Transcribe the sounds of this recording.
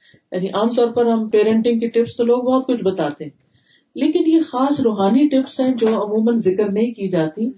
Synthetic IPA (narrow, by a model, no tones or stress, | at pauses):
ja̰ːniʔaːmt̪ɔːɾpɐɾɦɐmpeːɾə̃ɳʈɪ̃ŋɡkeʈɪpst̪oloːɡ̚bɔːt̪kʊt͡ʃʰbɐt̪aːt̪eɦɛ̃ | leːkɪnjexaːsɾoːɦaːniʈɪpsɦɛ̃d͡ʒoːɐmuːmənzɪkəɾnɐɦĩkiːd͡ʒaːt̪i